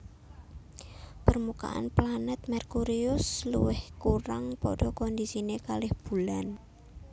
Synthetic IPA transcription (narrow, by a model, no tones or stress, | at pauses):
pərmuka̰ʔa̰nplanɛt̪̚mɛrkuɾiʊslṵwɪhkuɾaŋpɔ̰ɖ̥ɔkɔnd̪isinekalɪhb̥ulan